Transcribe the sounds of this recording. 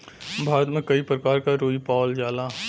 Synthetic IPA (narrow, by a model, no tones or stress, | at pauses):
bʱaːɾət̪mẽkəipɾəkaːɾkaɾoːipaːld͡ʒaːlaː